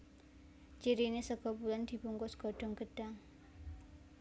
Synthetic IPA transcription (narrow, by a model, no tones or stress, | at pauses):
t͡ʃiɾinesəɡɔpuland̪i̤puŋkɔsɡ̥ɔɖ̥ɔŋɡ̥əd̥aŋ